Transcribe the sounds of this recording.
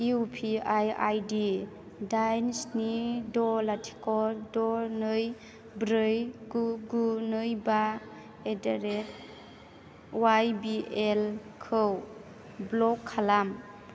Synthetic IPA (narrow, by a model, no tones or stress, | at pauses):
iupʰiaja̰jdi | dajnsnidɔlatʰi̥kɔɾdɔnɯj | bɾɯjɡuɡunɯjba | edaɾet̚ | wajbielkʰɯw | blɔkʰːalam